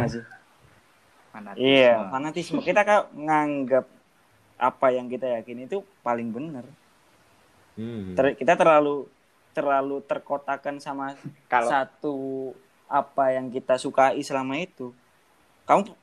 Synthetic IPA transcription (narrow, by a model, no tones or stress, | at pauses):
asɪ | anaijafanat̪ismokit̪akaŋaŋɡap̚ | ʔa̰pajaŋkit̪ajakinit̪u | palɪŋbənər | t̪əkit̪at̪ərlalu | t̪ərlalut̪ərkot̪akansamakalat̪u | ʔapajaŋkit̪asukaisəlamait̪u | kamu